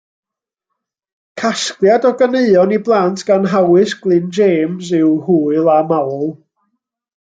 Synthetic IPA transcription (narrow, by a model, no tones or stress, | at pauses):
kʰasklˠjadɔɡəneɨɔniblˠantʰɡ̥anɦawɨsɡ̥lˠɨnd͡ʒeːmsɪwhuːɨlˠamawlˠ